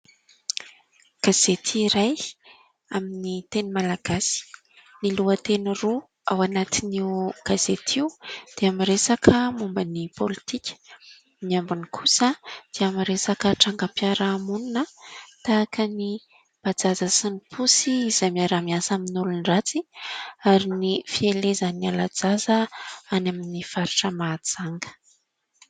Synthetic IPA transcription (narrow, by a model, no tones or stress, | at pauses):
ɡ̥az̥et̪ʰiːɾaj | aminit̪enimalaɡ̥asi̥ | niluət̪eniru | awanat̪iniwɡ̥azet̪ʰiud̪̥eamiɾesakʰəmumbənipolit̪ikʲə̥ | miambunikʰusəd̪̥eamiɾesakəʈ͡ʂaŋɡəpjaɾamununət̪aːkəni | b̥ad͡zazəsinipʰusiːzajmiaɾamiasaminulunirat͡siaɾinifielezanialad͡zazəanaminifaɾuʈ͡ʂəmad͡zaŋɡə̥